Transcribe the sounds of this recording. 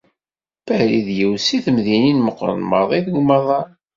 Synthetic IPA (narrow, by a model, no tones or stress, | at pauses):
pæhɾiðjəwsiθəmðininməqːɾˤə̰nmə̰ðˤiðɡmɑðˤɑ